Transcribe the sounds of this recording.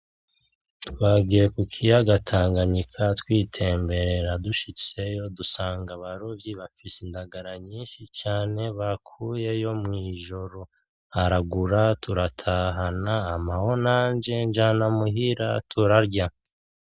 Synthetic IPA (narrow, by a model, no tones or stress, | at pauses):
twaːɡijekukʰijaɡatʰaːŋɡaɲikʰatwiːtʰe̞ːmbe̞ɾe̞ɾaduʃit͡se̞jo̞dusaːŋɡaβaɾovjiβafisindaɡaɾaɲiːnʃit͡ʃaːne̞βakʰuːje̞jo̞mŋiːʒo̞ɾo̞ | aɾaɡuɾatʰuɾatʰaːɦanaːmaho̞naːnd͡ʒe̞nd͡ʒaːnamuɦiɾa̰tʰuɾaɾɟa